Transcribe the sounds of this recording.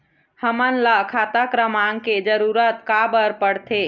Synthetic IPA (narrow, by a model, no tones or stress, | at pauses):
həmənlakʰat̪akɾəmaŋked͡ʒəɾuɾət̪kabəɾpəɽt̪ʰe